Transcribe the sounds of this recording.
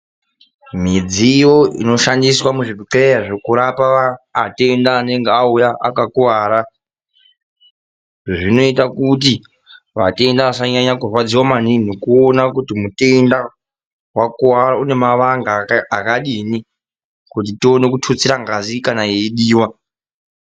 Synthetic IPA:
mid͡zijo̞ḭno̞ʃandiswamuʐipiǁeaʐokuɾapaaːte̞ndaːne̞ŋɡeaujaʔa̰kakuwaːɾa | ʐʐino̞itakut̬i | ʋa̰te̞ndaʋasaɲaɲakurwad͡ziwamanin̤okuonakutimute̞nda | wakuaɾaune̞maʋaŋɡaakaɗini | kut̬itio̞ne̞kutʰut͡siɾaŋɡazikanaeiɗiːwa

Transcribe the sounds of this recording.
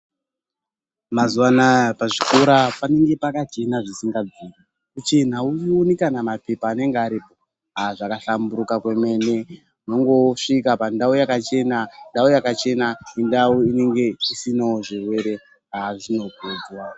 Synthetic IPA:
mazuwanapaʐiko̞ɾapane̞ŋɡe̞pakat͡ʃe̞naʐisiŋɡad͡zini | kut͡ʃe̞n̤auionekanamape̞paːne̞ŋɡeaɾipo | aʐakaɬambuɾukakwe̞me̞ne̞ | uno̞ŋɡo̞ʂikapandaujakat͡ʃe̞nandaujakat͡ʃe̞naindauine̞ŋɡe̞isinaoʐirwe̞ɾe̞ | aʐino̞ked͡zwa

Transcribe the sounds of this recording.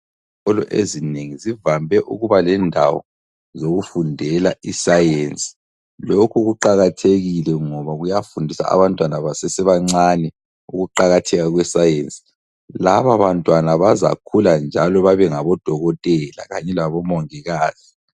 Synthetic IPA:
ɔlɔʔezineŋizivambʱɛʔuɣuβalɛndʱa̰wɔ̰ | zoɣufundʱɛlaʔisajent͡sʼi̥ | lokʰuɣuǃaɣatʰeɣilɛŋɔβaɣujafundʱisa̰a̰βantʼwanaβasesiβaŋ͡ǀanɛ | uɣuǃaɣatʰɛɣaɣwɛsajent͡sʼi̥ | laβaβantʼwanaβaza̰kʰuland͡ʒʱalɔβaβɛŋaβɔd̥ʱɔɣɔtʼɛla̰ɣaɲɛlaβɔmɔŋiɣaːz̥i

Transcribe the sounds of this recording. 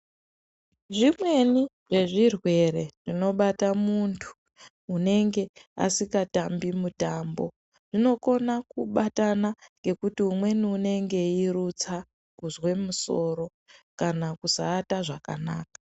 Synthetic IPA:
ʐimwe̞ni | ʐe̞ʐirwe̞ɾe̞ʐ̥ino̞ɓatamuntʰu̥ː | ne̞ŋɡe̞a̰sikatambimutambo̞̰ | ʐ̥ino̞ko̞nakuɓatanaŋɡe̞kutiumwe̞niune̞ŋɡe̞irut͡sa | kuzwe̞muso̞ɾo̞ | kanakusaːtaʐaka̰naːkḁ

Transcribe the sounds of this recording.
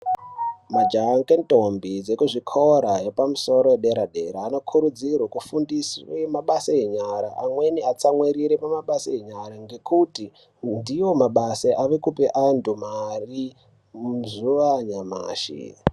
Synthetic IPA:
mad͡ʒaŋkentombid͡zekuʐikʰoɾajepamuso̞ɾo̞jeɗe̞ɾaɗe̞ɾaːno̞kʰuɾud͡zirwakufundiswemaɓasaeɲaɾa̰ʔamwe̞niat͡samwiɾiɾepamaɓasaeɲaɾaŋɡe̞kuti | ndijo̞maɓaseʔaʋe̞kupeʔandumari | muzuʋaɲama̰ːʃḭ

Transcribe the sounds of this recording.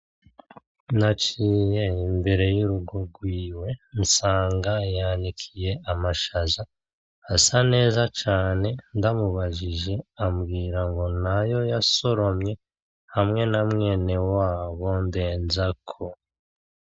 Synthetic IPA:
nat͡ʃiːjeimbe̞ɾe̞juɾuɡoɡwiːwe̞nsaːŋɡajanikʰije̞ʔamaʃazaː | sane̞ːzat͡ʃaːne̞ndamuβaʒiʒe̞amɡiːɾaŋɡo̞najo̞jaso̞ɾo̞mɲe̞ | hamŋe̞namŋe̞ːne̞waːβo̞nde̞ːnzakʰo

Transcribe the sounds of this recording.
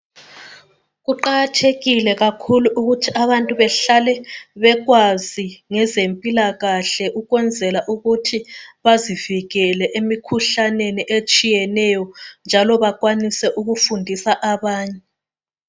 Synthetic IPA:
ɣuǃaɣatʰeɣilɛɣakʰuluʔuɣutʰiaβantʼuβɛɬalɛβɛɣwaziŋɛzempʼilaɣaɬɛʔuɣwɛnd͡zʱɛlaʔuɣutʰiβaziviɣɛlɛʔemikʰuɬaneniʔet͡ʃʼijɛnɛjɔnd͡ʒʱalɔβaɣwanisɛʔuɣufundʱisaʔaβaːɲɛɛ

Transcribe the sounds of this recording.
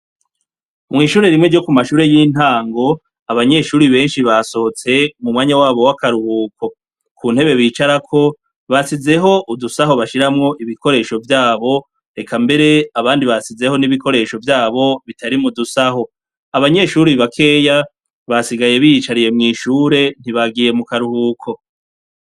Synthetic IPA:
mŋiːʃuːɾe̞ɾimŋeɾɟo̞kumaʃuːɾe̞jiːn̥haːŋɡo̞ | aβaɲe̞ʃuːɾiβe̞ːnʃiβaso̞hot͡se̞mumŋwaːɲawaːβo̞wakaɾuhuːko̞ | kʰuːn̥he̞βe̞βiːt͡ʃaɾakʰo̞ | βasize̞ɦo̞ʔudusaɦo̞βaʃiɾamŋo̞ʔiβiko̞ɾe̞ʃo̞vjaːβo̞ | ɾe̞kambe̞ɾe̞aβaːndiβasize̞ho̞niβikʰo̞ɾe̞ʃo̞vjaːβo̞βitʰaɾimudusaɦo̞ | aβaɲe̞ʃuːɾiβakʰe̞ja | βasiɡaje̞βijit͡ʃaɾije̞mŋiːʃuːɾe̞n̥iβaɡije̞mukaɾuhuːkʰo̞

